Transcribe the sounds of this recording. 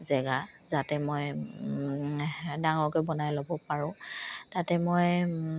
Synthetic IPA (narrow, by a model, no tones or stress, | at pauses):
zɛɡa | zatɛmoj | daŋɔɹkɔjbɔnajlobɔpaɹʊ̃tatɛmoj